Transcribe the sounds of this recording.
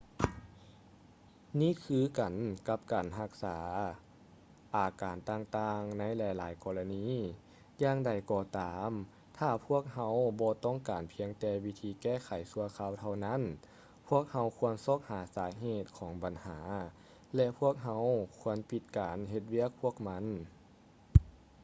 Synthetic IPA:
niː˥˨kʰɯː˧˨ka˨˩nka˧˥p̚kaː˨˩nɦa˧k̚saː˩˦ | ʔaː˨˩kaː˨˩nt̪aː˧ŋt̪aː˧ŋna˧˥jlɛː˧˩jlaː˨˦jkɔː˧la˧niː˧˥˨ | jaː˧ŋda˨˩jkɔː˧t̪aː˨m | t̪ʰaː˧˩pʰu˥˩ək̚ha˧˥wbɔː˧˦t̪ɔː˥˨ŋkaː˨˩npʰi˧əŋt̪ɛː˧˩wi˧t̪ʰiː˧kɛː˧˥˩xʰa˨˩jsu˧ɐkʰaː˧˨wt̪ʰa˧wna˧˥˨n | pʰu˥˩ək̚ha˧˥wkʰu˧ənso˧˥˩k̚haː˨˩˦saː˨˩˦ɦeː˧˩t̪̚kʰɔː˨˦ŋba˨˩nhaː˩˦ | lɛ˧ʔpʰu˥˩ək̚ɦa˧˥wkʰu˧˥ənpi˧t̪̚kaː˨˩nɦe˧t̪̚wi˧˥˨ək̚pʰu˥˩ək̚ma˧˥n

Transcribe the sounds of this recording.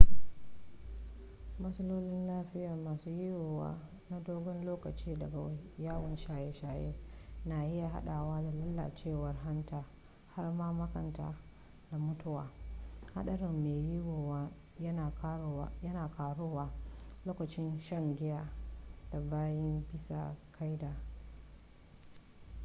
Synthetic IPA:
mɐ˦sɐ˦loː˦lɪ˦nlaː˦ɸɪ˦ja˨maː˨suː˦ji˦ɡoː˨wa̰ː˦ | na˦doː˦ɡɔ˦nloː˦kɐ˨t͡ʃiː˦dɐ˨ɡa˨wjaː˦wɐ˨nʃaː˨je˦ʃaː˨jḛ˦na˨ʔɪ˦ja˨ɦa̰˦ɗaː˨waː˦da˨lɐ˦lːa̰˨t͡ʃeː˦˨wɐ˨rɦa˦ntaː˦ | ha˦rmaː˦mɐ˦kɐ˨nta̰˨˦ | da˨mʊ˦tʊ˦waː˨ha̰˦ɗɐ˦ɽɪ˨mːeː˨ji˦ɡoː˨wa˦ | jɐ˦na˨˦˨jɐ˦naː˨kaː˨ɽʊ˦waː˦loː˦kɐ˨t͡ʃɪ˦nʃɐ˦ŋɡʲɪ˦jaː˦d̥a˨baː˦jɐ˦mbɪ˦sa̰˨kʰa˦jdaː˨

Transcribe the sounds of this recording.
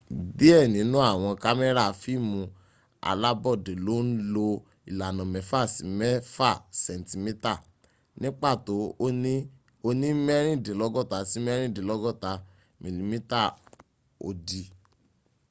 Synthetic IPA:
di˨˦ɛ˦˨nĩ˨˦nũ˦a˦˨w̃ɔ̃˧ka˦mɛ˦ɾa˦˨fi˦mũ˧ | a̰˨la˦bɔ˦˨de˨lo˦n̩˦lo˧ | i˨la˨nɔ̃˨mɛ̃˨fa˦˨si˨˦mɛ˦fa˦˨sɛ̃˨n˨ti˧mĩ˦ta˦˨ | nĩ˦k͡pa˦˨to˨˦ | o˧nĩ˦mɛ˦ɾ̃ĩ˦˨dẽ˨˦lɔ˦ɡɔ˦˨ta˧si˦m˦ɛ˦ɾ̃ĩ˦˨dẽ˨lɔ˦ɡɔ˦˨ta˧ | mĩ˨li˨mĩ˦ta˦˨ | o̰˨di˨

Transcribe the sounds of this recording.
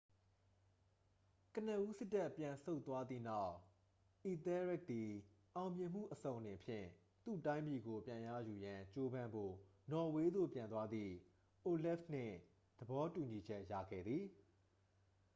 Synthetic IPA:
kə˨nə˨ʔu˦sɪ˦tːa˦˨pjã˨so˦ʊt̪ːwa˦d̪ðḭ˦˨na˦ʊʔ | i˨t̪ɛ˦ɹɪ˦˨k̚d̪i˨ʔã˨ʊ̃mjɪ̃˨m̥ṵ˦˨ʔəsõ˨ʊ̃nɪ̃˨mpʰjɪ̰̃˦˨ | t̪ṵ˦˨tã˦ɪ̃mpi˨ɡo˨pjã˨ja̰˦˨ju˨jã˨t͡ɕo˦bã˦˨mbo̰˦˨nɔ˨we˦d̪o̰˦˨pjã˨nt̪wa˦d̪ðḭ˦˨ | ʔo˨lɪ˦fn̥ɪ̰̃˦˨ | d̪̥əbɔ˨˦tu˨ɲi˨d͡ʑɛ˦ʔja̰˦˨ɡɛ̰˦˨d̪ði˨

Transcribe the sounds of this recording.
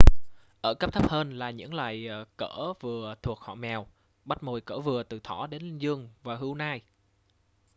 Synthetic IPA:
ʔəː˧˩kə˦˥p̚t̪ʰə˦˥p̚həː˧nlaː˨˩ɲɨ̰˧˥ŋlwa̰ː˨jkəː˧˩vɨ˨˩ət̪ʰu˨˩ək̚hɔ̰˧˨mɛ˨˩w | ɓa˦˥t̚mo˨˩jkəː˧˩vɨ˨˩ət̪ɨ˨˩t̪ʰɔ˧˩ɗe˨˦nŋzɨ˧əŋvaː˨˩ɦɨ˨˧˦wnaː˧j

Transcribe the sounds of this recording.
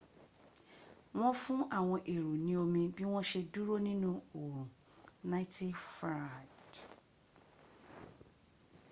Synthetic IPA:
w̃ɔ̃˦fũ˦ʔa˦˨w̃ɔ̃˧ʔe˨ɾu˨nĩ˨o˧mĩ˧bi˦w̃ɔ̃˦ʃe˧du˦ɾo˦nĩ˦nũ˦o˨ | na˦i˦ti˦fa˨d

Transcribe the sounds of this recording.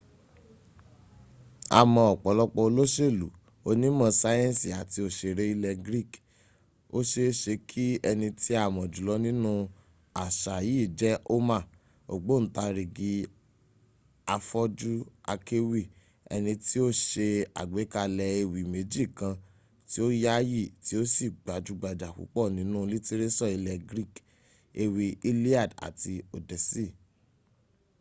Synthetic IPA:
a̰˨mɔ̃˧ɔ˨k͡pɔ˨lɔ˦k͡pɔ˧o˧lo˦ʃe˦˨lu˨ | o˧nĩ˦mɔ̃˧sa˦jɛ̃˦n˨si˨a˨ti˧o˨ʃe˧ɾe˦i˦lɛ˧ɡɾi˦˨k | o˦ʃe˧ʃe˧kʰi˦ɛ˧nĩ˧ti˦a˦˨mɔ̃˨d͡ʒu˨lɔ˧˦nĩ˦nũ˦ | a˨ʃa˨jiː˨˦˨d͡ʒɛ˦ʔo˦ma˦˨ | o̰˨ɡ͡bo˨˦n̩˦ta˧ɾi˨ɡi˨˦ | a˧fɔ˦d͡ʒu˦a̰˧ke˦wi˦˨ | ɛ̰˧nĩ˧ti˦o˦ʃe˧a̰˨ɡ͡be˨˦ka˧lɛ˧e˧wi˨me˨˦d͡ʒi˦˨kã˧ | ti˦o˦ja˦ji˦˨ti˨˦o˦si˦˨ɡ͡ba˨d͡ʒu˨˧ɡ͡ba˨d͡ʒa˨kṵ˨˦k͡pɔ˦˨nĩ˨˦nũ˦li˦ti˦ɾe˦sɔ˦˨i˧lɛ˧ɡɾi˦˨k | e˧wi˧i˦li˦a˦˨da̰˨ti˧o˨dɛ˨si˦˨

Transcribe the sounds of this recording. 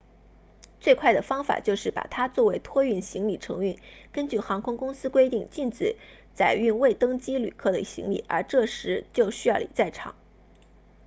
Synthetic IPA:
t͡swe˥˧ɪkʰwa˥˩ɪd̪ə˩fɑ˥ŋfa̰˨˩t͡ɕjo˥˧ʊʂɻ̩˥˩pa̰˨˩t̪ʰa˥t͡swɔ˥˩we˧˥ɪt̪ʰwɔ˥y˥˩nɕi˧˥ŋli˨˩ʈ͡ʂʰɤ˧˥ŋy˥˩nkə˥nt͡ɕy˥˩xɑ˧˥ŋkʰʊ˥ŋkʊ˥ŋsɹ̩˥kwe˥ɪt̪i˥˩ŋt͡ɕi˥˧nʈ͡ʂɻ̩˨˩˦ | t͡sa˨˩ɪy˥˧nwe˥˩ɪt̪ɤ˥ŋt͡ɕi˥ly̰˨˩kʰɤ˥˩d̪ə̰˨ɕḭ˧˥ŋlḭ˨˩˦ə̰˞˧˥ʈ͡ʂɤ˥˩ʂɻ̩˧˥t͡ɕjo˥˩ʊɕy˥jɑ˥˩ʊḭ˨˩t͡sa˥˩ɪʈ͡ʂʰɑ̰˨˩˦ŋ

